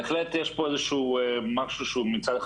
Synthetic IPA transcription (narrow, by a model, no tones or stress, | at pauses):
eχlet̪jeʃpoezeʃuemaʃuʃumit͡sad̪e